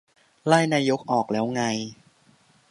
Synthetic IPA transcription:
laː˥˩jnaː˧jo˦˥k̚ʔɔː˨˩k̚lɛː˦˥wŋa˧j

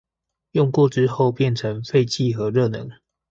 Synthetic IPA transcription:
jɔ˥˧ŋkwɔ˥˨ʈ͡ʂɻ̩˦˥xo˥˨ʊpjɛ˥˨nʈ͡ʂʰə˨˦ŋfe˥˧ɪt͡ɕi˥˨xɤ˨˦ɻə˥˨˩nɤ̰˨˦ŋ

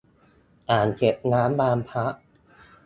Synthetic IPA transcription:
ʔaː˨˩nt͡ɕe˨˩p̚naː˦˥mbaː˧mpʰa˦˥ʔ

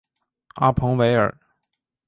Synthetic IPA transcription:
a̰˥˩pʰɤ˧˥ŋwe˧˥ɪə̰˞˨˩˦

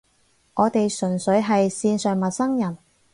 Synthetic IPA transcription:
ʔɔː˨˧t̪e˨jsɵ˨˩nsɵ˨˥ɥɦɐ˨jsiː˧nsœː˨ŋmɐ˨t̚sɐ˥ŋjɐ˨˩n

